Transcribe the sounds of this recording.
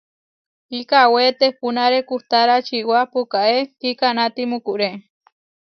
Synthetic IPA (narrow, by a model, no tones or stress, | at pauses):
ikawet̪ehpunaɾekuht̪aɾat͡ʃiwapukaʔekikanat̪imukuʔɾe